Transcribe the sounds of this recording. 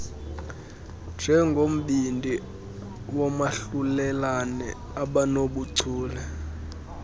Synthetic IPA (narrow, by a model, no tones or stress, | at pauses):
nd͡ʒ̥ʱɛŋɡʱom̩ɓindʱi | wɔmaɬulɛlanɛ̰ | aɓanoɓuǀʰʱuːlɛ